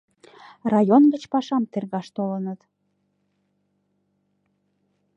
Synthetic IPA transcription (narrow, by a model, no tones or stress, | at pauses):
rɑjonɡət͡ɕpɑʃɑmt̪erɣɑʃt̪olənət̪